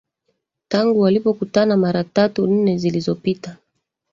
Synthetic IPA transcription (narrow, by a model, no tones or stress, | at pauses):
taŋɡuwalipɔkutanamaɾatatun̩nɛzilizɔpita